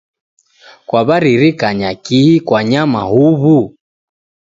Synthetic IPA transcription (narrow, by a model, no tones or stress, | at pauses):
kwaβaɾiɾikaɲakihikwaɲamahuβu